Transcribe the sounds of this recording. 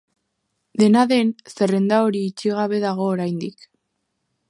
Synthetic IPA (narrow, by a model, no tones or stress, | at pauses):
d̪e̞naðe̞nse̞re̞nd̪ao̞ɾiːt͡ʃiɣaβ̞e̞ðaɣ̞o̞ːɾajnd̪ik